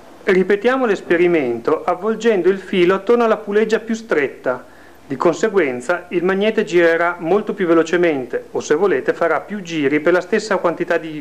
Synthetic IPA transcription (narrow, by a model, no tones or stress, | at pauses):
ripet̪jaːmolespeɾiment̪oʔavːold͡ʒɛnd̪oilfiːloat̪ːornoalːapulɛd͡ʒːapjust̪ɾɛt̪ːa | d̪ikonseɡwɛnt̪sailmaɲːɛːt̪ed͡ʒiɾeɾamolt̪opjuvelot͡ʃement̪eosevːoleːt̪efaɾapjud͡ʒiːɾiperlast̪esːakwant̪it̪ad̪i